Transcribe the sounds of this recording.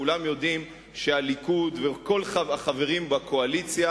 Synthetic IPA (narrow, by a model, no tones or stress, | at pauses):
ulamjo̞dim | ʃealikud̪veko̞laaχave̞ʁimbakʰo̞alit͡sja